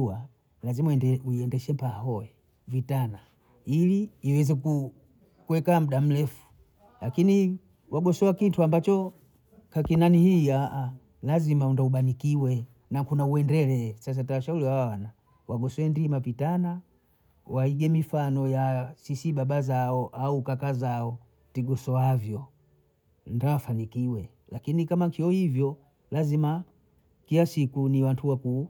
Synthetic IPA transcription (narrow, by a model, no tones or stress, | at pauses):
a | lazimauiɛndɛʃɛmpahɔɛ | vitana | iliːwɛzɛku | kwɛkam̩ɗam̩lɛfu̥ | lakini | wʔaɡɔsɔwakintʰuambat͡ʃɔ | kakinanihiaʔa | lazimaundauɓanikiwɛ | nakunauɛndɛlɛsas̬atawaʃauliwawawana | waɡɔswɛndimapitana | waiɡɛmifanɔjasisiɓaɓazaɔʔaukakazaɔ | tiɡɔsɔavjɔ | ndawafanikiwɛ | lakinikamaŋkʰiɔhivjɔ | lazima | kilasikuniwantʰuwaku